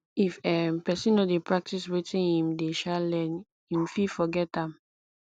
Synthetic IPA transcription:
ifɛpɛsĩnːodepʰɹak̚tiswetĩnhĩmdeʃalɛ̃n | hĩmfifɔɡɛtãm

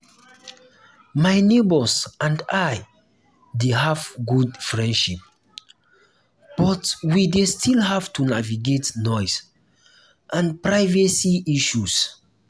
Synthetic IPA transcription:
majnebəsʔãndaj | deɦavɡudfɹɛ̃ndʃip̚ | b̥ɔtwidestʰilɦavtʰunaviɡetnɔjs | ʔãnpɹajvɛsiiʃus

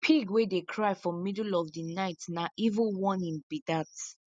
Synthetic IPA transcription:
pʰiɡwedekʰɹaɪfɔ̃midl̩ɔvdinaɪtnaʔivə̃nwɔ̃nĩnbidat

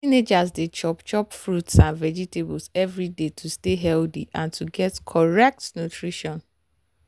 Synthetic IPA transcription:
ined͡ʒasdet͡ʃɔpt͡ʃɔpfɹutsãnvɛd͡ʒiteblsɛvɹidetʰusteɦɛldḭʔãntʰuɡɛtkʰɔɹɛk̚tnutʰɹiʃɔ̃n

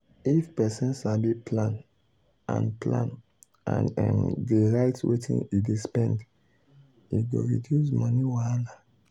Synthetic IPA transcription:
ifpɛsɔ̃nʃabipʰlãn | ã̰nplã̰n | ã̰n̰mdeɹaɪtwʔḛtʰḭ̃nidespɛ̃nd | iɡo̰ɹidjuzmɔ̃niwala

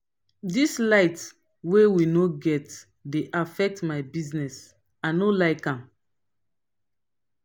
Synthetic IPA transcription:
dislaɪt | wewinoɡɛt | deʔafɛk̚tmaɪbiznɛs | anolaɪkãm

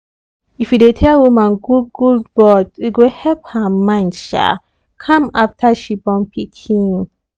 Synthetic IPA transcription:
ifjudetʰɛlwumãnɡuɡuldbɔdwiɡohɛlphamãɪ̃ndʃa̰ | kʰãmaftʰaʃibɔ̃npʰikʰĩŋ

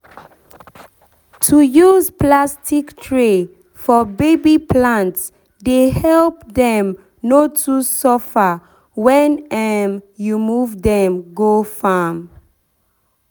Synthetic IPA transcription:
tʰujuzplastiktʰɹe | fɔbebipʰlãnts | dehɛlp̚dɛ̃m | notʰusɔfa | wɛ̃nɛmjumuvdɛ̃mɡofam

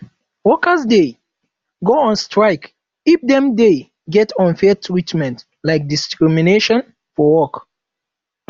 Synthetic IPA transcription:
wɔkəzde | ɡoə̃nstɹaɪk | ip̚dɛ̃mde | ɡɛtʰɔ̃nfɛtʰɹitmɛ̃nt | laɪk̚diskɹimineʃɔ̃n | fɔwɔk

